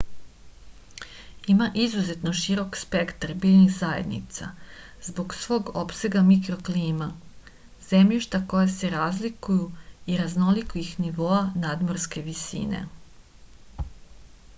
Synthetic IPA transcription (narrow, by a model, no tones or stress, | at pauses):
imaʔizuze̞t̪no̞ʃiɾo̞kspe̞kt̪aɾbiːʎnixzajed̪nḭt̪sa̰zbo̞ɡsʋo̞ːɡo̞pse̞ɡamikɾo̞kliːma | ze̞mʎiʃt̪ako̞jase̞ɾaːzlikujuiɾazno̞likoixniʋo̞anaːd̪moɾske̞ʋisḭːnḛ